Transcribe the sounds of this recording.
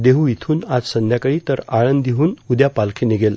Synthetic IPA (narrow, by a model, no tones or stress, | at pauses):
d̪eɦuit̪ʰuːnad͡zsənd̪ʱjakəɭiːt̪əɾaɭənd̪d̪iɦuːnud̪japalkʰeniɡel